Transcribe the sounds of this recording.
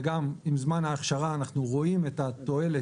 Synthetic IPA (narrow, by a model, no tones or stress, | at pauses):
ɡamimzmanhaːχʃaʁaːnaχnuʁo̞imetat̪o̞e̞le